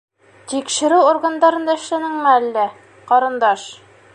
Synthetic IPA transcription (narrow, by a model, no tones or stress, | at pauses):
t̪ikʃɘ̆ɾʉorɡand̪ɑɾɤ̆nd̪ɑɘ̆ʃlænɘŋmɘælːæ | qɒɾɤ̆nd̪ɑʃ